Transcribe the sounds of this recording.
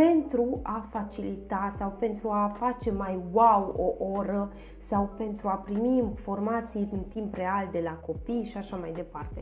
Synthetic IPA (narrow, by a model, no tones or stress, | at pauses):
pe̞nt̪ɾuafat͡ʃilit̪asawpe̞nt̪ɾuafat͡ʃe̞majwawoʔo̞ɾə | sawpe̞nt̪ɾuapɾimimfo̞rmat̪sijɨnt̪impre̞ald̪e̞lako̞pijʃiaʃamajd̪e̞part̪e̞